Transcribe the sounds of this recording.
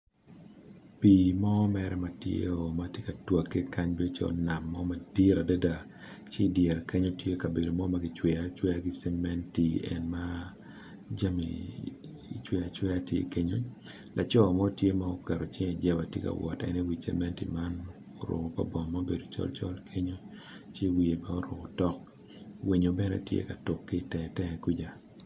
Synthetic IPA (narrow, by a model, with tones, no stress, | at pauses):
pi˨mɔ˦mɛɾɛ˦matjḛ˦o˨matje˦ka˨twa˨kːe˦ka˦ɲbi˦o˦t͡ʃɔ̰na˨mːɔ˦ma˨di˦ɾa˨da˦da˨ | t͡ʃi˦djɛ˨ɾke˦ɲo˦tje˦ka˨be˨do˨mɔ˦ma˦ɡɪ˦t͡ʃwɛ˨at͡ʃwɛ˦a˦ɡɪ˦sɛ˦mɛ˦nti˨ɛ̰˨nma˦ | d͡ʒa˦mḭ˨ | t͡ʃwe˦a˨t͡ʃwɛ˦a˦tjḛ˦ke˦ɲo˦ | lʔa˨t͡ʃɔ˦a˨mɔ˦tje˦ma˦ɔ˦kɛ˨ɾɔ˨t͡ʃɪ˦ŋɛ˨d͡ʒɛ˦ba˨tjḛ˦ka̰˨wɔ̰˨tɛ̰˦ni˦wi˨sɛ̰˦mɛ˦ntḭ˨ma˦n | ɔ˨ɾʊ̰˨ɣɔ˨pa̰˨bɔ˨mːa˦be˨do˨t͡ʃɔ̰˦lt͡ʃɔ̰˦lkʰe˦ɲo˦ | t͡ʃe˦wi˨e˨mɛ˦ɔ˦ɾʊ˨ɡɔ˨tɔ˦k̚ | wi˨ɲo˨bɛ˦nɛ̰˦tjḛ˦ka˨to˨kːe˦˨tɛ˨tɛ˦ɛ˨ku˦d͡ʒa˨